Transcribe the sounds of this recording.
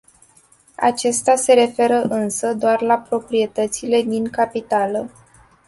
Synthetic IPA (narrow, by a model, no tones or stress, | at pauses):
a̰t͡ʃe̞st̪ease̞ɾe̞fe̞ɾəʔɨnsəd̪oarlapɾo̞pɾie̞t̪ət̪sile̞d̪iŋkapit̪alə